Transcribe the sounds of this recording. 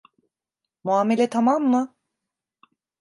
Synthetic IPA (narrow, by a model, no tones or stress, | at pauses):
muaːme̞lʲɛt̪ʰamamːɯ